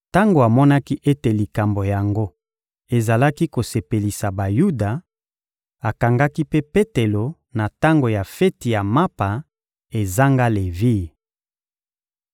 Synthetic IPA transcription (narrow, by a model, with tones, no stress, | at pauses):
ta˦ŋɡo˨a˨mɔ˦na˦ki˦ʔe˦te˨li˨ka˨mbo˨ja˨ŋɡo˦ | e˨za˨la˦ki˦ko˨se˨pe˨li˨sa˨ba˨ju˦da˨ | a˨ka˨ŋɡa˦ki˦pe˦pe˦te˨lo˨ | na˨ta˦ŋɡo˨ja˨fɛ˦ti˨ja˨ma˦pa˨ | e˨za˦ŋɡa˦le˨vi˦˨